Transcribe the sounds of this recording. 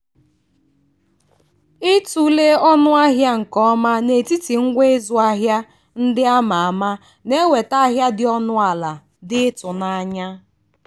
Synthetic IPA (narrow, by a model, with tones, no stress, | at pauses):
ɪ˦tu˨le˦ɔ˦nʊ˦a˦ɦja˦ŋ̩˨kɔ˦ma˦ne˨ti˦ti˨ŋ̩˦ɡʷe˦e˦zʊ˨a˦ɦja˦ | n̩˦dɪ˦a˦ma˨a˨ma˦ | ne˦we˨ta˦a˦ɦja˦dɪ˦ɔ˦nʊ˦a˨la˨ | dɪ˦tʊ˨na˦ɲa˦